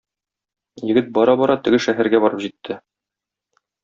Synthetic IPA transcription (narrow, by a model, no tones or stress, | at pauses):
jɘ̆ɡɘt̪̚bɒɾɑbɒɾɑt̪ɘ̆ɡɘʃæɦæɾɡæbɒɾɤpʑit̪ʰːɘ